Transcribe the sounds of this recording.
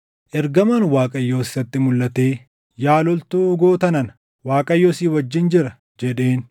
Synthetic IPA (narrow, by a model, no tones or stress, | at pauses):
ʔɛɾɡɐmɐnwaːkʼɐjːo̞ːsːɐt̪ːɪmʊlːɐt̪e̞ː | jaːlɔlt̪uːʊɡo̞ːt̪ɐnɐn | waːkʼɐjːoːsiːwɐd͡ʒːɪnd͡ʒɪɾɐ | d͡ʒɛᶑe̞ːn